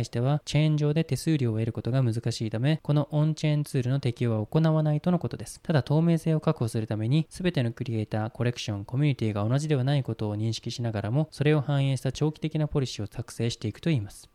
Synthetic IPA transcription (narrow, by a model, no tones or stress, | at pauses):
iɕi̥t̪e̞β̞at͡ɕẽ̞ɲ̟d͡ʑo̞ːd̪e̞t̪e̞sɨːɾʲoːe̞ɾɯ̟ko̞t̪o̞ɡamɯ̟zɨkaɕiːt̪ame̞ko̞no̞ʔõɲt͡ɕẽnt͡sɨːɾɯ̟no̞t̪e̞kʲio̞βaoko̞naβanait̪o̞no̞ko̞t̪o̞d̪e̞sɨ̥t̪ad̪at̪o̞ːme̞ːse̞ːo̞kakɯ̟̥ho̞sɨɾɯ̟t̪ame̞ɲ̟isɨbe̞t̪e̞nokɯ̟ɾʲie̞ːt̪aːko̞ɾe̞kɯ̟̥ɕõ̞ŋko̞mʲiɲ̟it̪ʲiːɡao̞naʑid̪e̞βanaiko̞t̪o̞ːɲ̟ĩɰ̃ɕi̥kʲiɕinaɡaɾamo̞so̞ɾe̞o̞hãɰ̃ẽːɕi̥t̪at͡ɕo̞ːkʲi̥t̪e̞kʲinapo̞ɾʲiɕio̞t͡sakɯ̟̥se̞ːɕi̥t̪e̞ikɯ̟̥t̪o̞iːmasɨ̥